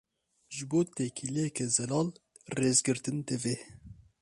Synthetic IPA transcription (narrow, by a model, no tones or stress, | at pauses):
ʒɨboːt̪ɛkʰilekʰɛzɛlɑːl | reːzɡɨɾt̪ɨnd̪ɨveː